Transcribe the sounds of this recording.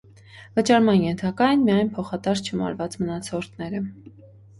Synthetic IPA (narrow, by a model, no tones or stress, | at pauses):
vət͡ʃɑɾmɑnjɛnt̪ʰɑkɑjɛnmijɑjnpʰɔχɑt̪ɑst͡ʃʰəmɑ̰ɾvɑt͡smənɑt͡sʰɔɾt̪ʰnɛɾə